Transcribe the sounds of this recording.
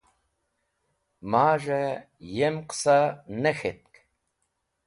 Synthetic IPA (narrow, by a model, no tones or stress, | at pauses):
maːʒɐ | jemqsanɐxet̪̚kʼ